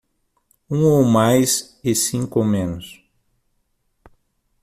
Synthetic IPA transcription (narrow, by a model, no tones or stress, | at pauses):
ũowmajs | ɪsĩŋkomẽnʊs